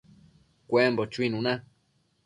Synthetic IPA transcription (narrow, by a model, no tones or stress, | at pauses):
kʷembot͡ʃuinũnã